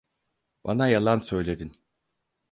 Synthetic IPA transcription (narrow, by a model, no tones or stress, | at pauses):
banajalˠansø̞jlʲe̞d̪in